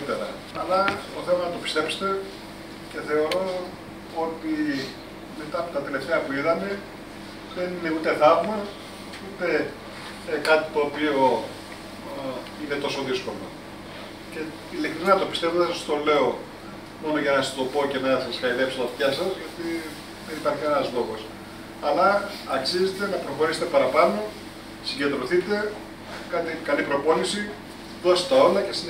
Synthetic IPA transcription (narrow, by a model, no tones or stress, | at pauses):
it̪eɾɐ̰ | ɐlɐt̪oθe̞mɐnɐt̪opi̥st̪e̞pse̥t̪e̞ | ce̞θe̞o̞ɾo̞ | ot̪i | me̞t̪ɐːpo̞t̪ɐt̪e̞le̞ft̪eɐpuiðɐme̞ | ðe̞nine̞ut̪eðɐvmɐ | ut̪e̞ | kɐt̪i̥t̪o̞ːpio̞ | inet̪o̞so̞ðisko̞lo̞̰ | ce̞ | ilekt̪ɾinɐt̪o̞pist̪e̞voðsɐst̪o̞le̞o̞ | mo̞no̞ʝɐnɐst̪o̞po̞ce̞nɐsɐsxɐiðe̞psot̪ɐçɐsɐzʝɐt̪i | ðenipɐɾçienɐzlo̞ɣo̞s | ɐlɐ | ɐksize̞t̪e̞nɐpɾo̞xo̞ɾiset̪e̞pɐɾɐpɐno̞ | siɟe̞d̪ɾo̞θit̪e̞ | kɐt̪ikɐlipɾo̞po̞lisi | ðoset̪t̪ɐo̞lɐcesi